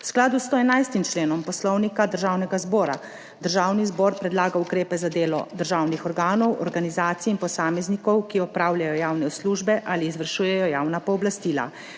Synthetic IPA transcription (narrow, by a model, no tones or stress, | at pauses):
wsklaːd̪ust̪oɛnajst̪imt͡ʃleːnɔmpɔslɔwnikad̪əɾʒawnɛɡazbɔːɾa̰ | d̪əɾʒaːwnizbɔːɾpɾɛd̪laːɡaukɾeːpɛzad̪eːlɔ̰d̪əɾʒaːwnixɔɾɡaːnɔwʔɔɾɡanizaːt̪siinpɔsaːmɛznikɔwkiɔpɾaːwljajɔjaːwnɛsluːʒbɛʔaːliːzʋəɾʃuːjɛjɔjaːwnapɔɔblast̪iːla̰